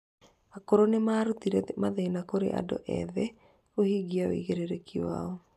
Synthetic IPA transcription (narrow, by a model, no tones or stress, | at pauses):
akoɾonemaɾut̪iɾɛmaðɛnakoɾḛʔa̰dɔ̰ʔɛ̰ðɛ | ohiɡiao̰ḭɣeɾeɾekʰiwa̰ɔ